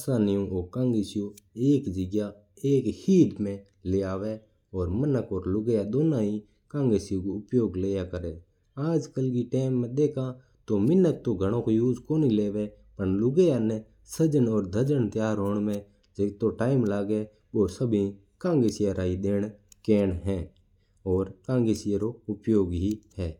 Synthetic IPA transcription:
asaːnɪjõːʔoːkãːŋɡeːsɪjoːeːkd͡ʒəɡjaː | eːkhiːʈmẽː | leːaːʋeː | ɔːɾmənəkɔːɾlʊɡejaːɗ̪oːnaːiː | kãːŋɡeːsɪjõːkoːʊpjoːɡleːjaːkəɾeː | aːd͡ʒkəlkiːʈeːmːẽːɗ̪eːkʰãː | t̪oːmɪnːət̪ːõːɡʱəɽ̃õːkojuːd͡ʒkoːniːleːʋe | pəɳlʊɡejanɛ | səd͡ʒənɔːɾd̪ʱəd͡ʒənt̪jaːɾɦoːɳmẽ | d͡ʒet̪oʈaːɪmlaːɡe | ʋoːsəbʱĩ | kãːŋɡesɪjaɾaːid̪eːɽkeːnɦɛ̃ː | ɔːɾkãːŋɡesɪjəɾoʊpjoːɡɦihɛː

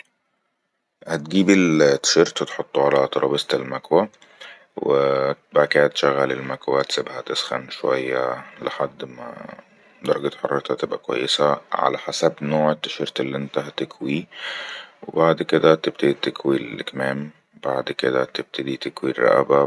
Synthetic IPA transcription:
hæt̪̚ɡiːbilt̪ːʃeɾt̪t̪ħot̪ˤːʕalæt̪ɑɾˤʔɑːbest̪elmækwæ | webækæːt̪ʃæɣːælelmækwæt̪sebhæt̪ɪsxæ̰nʃowæjːælɪħad̪ːmæ̰ | d̪ɑɾˤɑɡet̪ħɑrˤːɑt̪ʰæt̪ɪbʔækwæ̰jːesæʕa̰læħasæbnoːʕet̪ːæʃeɾt̪elːiʔent̪æɦæt̪ɪkwi | webaʕd̪ked̪æt̪eb̚t̪ed̪it̪ekwilkæmæːm | b̥aʕd̪ked̪æt̪eb̥̚t̪ed̪it̪ekwirˤæ̰ʔæ̰bæ

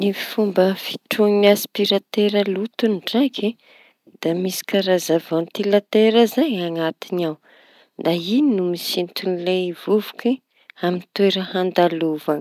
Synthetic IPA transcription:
nifumbəfi̥ʈ͡ʂuŋiniaspiɾat̪eɾəlut̪unɖ͡ʐakʰi | d̪̥amisi̥kaɾazavant̪ilat̪eɾəzaɲaŋat̪inaw | d̪aininumisint̪unilev̥uvu̥ki | amint̪eɾəhand̪aluvan

